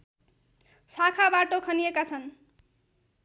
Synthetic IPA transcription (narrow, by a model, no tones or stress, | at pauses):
sakʰabaʈokʰʌnijekat͡sʰʌn